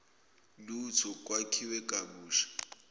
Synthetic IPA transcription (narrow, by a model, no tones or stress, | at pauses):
lut͡sʰɔkʼwakʰiwɛkʼabuːʃḁ